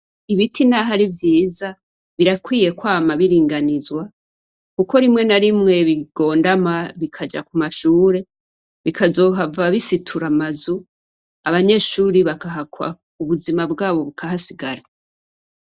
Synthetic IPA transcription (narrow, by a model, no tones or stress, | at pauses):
iβitʰinaɦaɾivjiːza | βiɾakwiːje̞kwaːmaβiɾiːŋɡanizwa | kuko̞ɾimŋe̞naɾimŋe̞βiɡ̥o̞ːndamaβikʰad͡ʒa̰kumaʃuːɾe̞ | βikʰazo̞ːɦavaβisitʰuɾamazu | aβaɲe̞ːʃuːɾiβakaɦakwa̰ | uβuzimabɡaːβo̞βukʰaɦasiɡaɾa